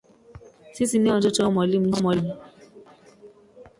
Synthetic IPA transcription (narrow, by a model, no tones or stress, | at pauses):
sisinĩɔ̃d͡ʒot͡ʃɔmɔ̃limũɔmɔ̃li